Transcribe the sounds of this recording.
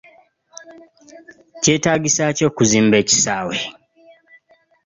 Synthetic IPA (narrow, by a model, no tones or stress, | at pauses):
ceːtaːɡisaco̞ːkuziːmbeːci̥saːwe